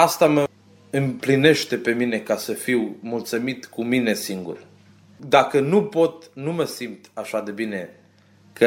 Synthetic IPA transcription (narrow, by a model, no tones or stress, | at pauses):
ast̪amə | ɨmpline̞ʃt̪e̞pe̞mine̞kasəfiwmult̪sumit̪kumine̞siŋɡṵr | d̪akənupo̞t̪numəsimt̪aʃad̪e̞bine̞ | kʰə